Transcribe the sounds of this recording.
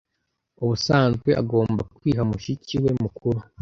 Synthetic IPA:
uβusaːnzɡweʔa̰ɡo̞ːmbakwiːɦamuʃiciwe̞mukʰuɾu

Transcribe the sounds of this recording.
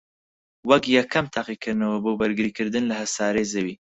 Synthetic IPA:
wakjakʰamt̪ʰaqikɨɾnawɐbobɐɾɡɨɾikɨɾd̪ɨnlahɐsɑːɾezɐwi

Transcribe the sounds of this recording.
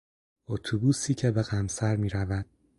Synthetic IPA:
ot̪ʰubuːsiːcʰebe̞ɣæmsæɾmiːɾævæd̪̥

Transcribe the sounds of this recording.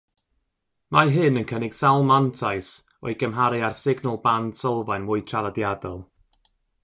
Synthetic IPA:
maɦɨnənkʰənɪɡ̥salˠmantʰajs | ɔ̰ɨɡ̥əmɦaɾɨarsɪɡnɔlˠbandsɔlˠvajnmʊɨtʰralˠadjadɔlˠ

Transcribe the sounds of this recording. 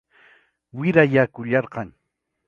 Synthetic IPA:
wɪɾajakʊʎɑɾɢɑŋ

